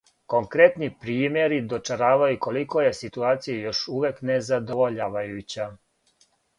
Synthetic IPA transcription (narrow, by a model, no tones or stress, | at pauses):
ko̞ŋkɾet̪nipɾiːmje̞ɾid̪o̞t͡ʃaɾaːʋajuko̞liko̞je̞sit̪uaːt̪sijejo̞ʃuʋjeknezad̪o̞ʋoʎaːʋajut͡ɕa